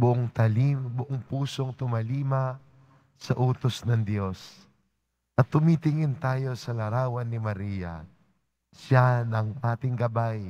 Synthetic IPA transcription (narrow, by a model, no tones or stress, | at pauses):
bʊʔoŋt̪ɐlimbʊʔoŋpuːso̞ŋt̪ʊmɐliːmɐ | sɐʔuːt̪osnɐŋd̪jo̞s | ʔɐt̪̚ːʊmit̪ɪŋɪnt̪aːjo̞sɐlɐɾaːwɐnːɪmɐɾiːjɐ̰ | ʃanɐŋpaːt̪ɪŋɡɐbaj